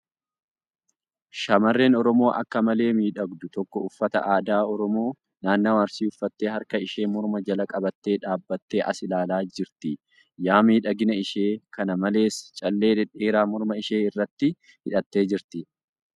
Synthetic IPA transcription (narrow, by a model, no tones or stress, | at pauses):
ʃɐmɐrːe̞ːnɔɾɔmo̞ːʔɐ̰kːɐmɐle̞ːmiːᶑɐɡd̪ʊt̪ɔkːɔʊfːɐt̪ɐ̰ʔaːd̪aːɔɾɔmo̞ː | naːnːɐwaːɾsiːʊfːɐt̪ːeːhɐɾkɐɪʃe̞ːmɔɾmɐd͡ʒɐlɐkʼɐbɐt̪ːe̞ːᶑaːbːɐt̪ːe̞ːʔɐ̰sɪlaːlaːd͡ʒɪɾt̪ɪ | jaːmiːᶑɐɡɪnɐɪʃe̞ːkɐnɐmɐle̞ːst͡ʃʼɐlːe̞ːɛᶑeːɾaːmɔɾmɐɪʃeːɪrːɐt̪ːɪ | hɪᶑɐt̪ːe̞ːd͡ʒɪɾt̪ɪ